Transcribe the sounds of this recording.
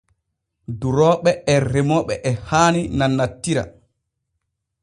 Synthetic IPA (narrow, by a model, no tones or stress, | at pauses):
duɾɔːɓɛɛɾɛmɔɓɛʔɛhaːninanːatːiɾa̰